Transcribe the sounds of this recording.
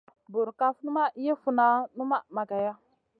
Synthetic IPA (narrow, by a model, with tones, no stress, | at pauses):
bu˨ɾka˦fnu˦ma˦je˦fu˨na˦nu˦ma˦ma˨ka˨ja˦